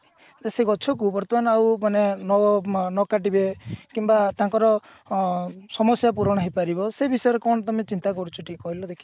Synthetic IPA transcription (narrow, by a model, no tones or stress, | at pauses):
d̪eseɡɔt͡ʃʰɔkubɔɾɔt̪ɔbanɔawmanenɔbɔnɔkaʈibekimbat̪aŋkɔɾɔ | sɔmɔsjap̬uɾɔɽ̃ɔɦepaɾibɔsebisɔjɔɾekɔɳ̃ɔt̪ɔmet͡ʃint̪ak̬ɔɾut͡ʃʰɔʈikkɔɦilɔd̪ekʰi̥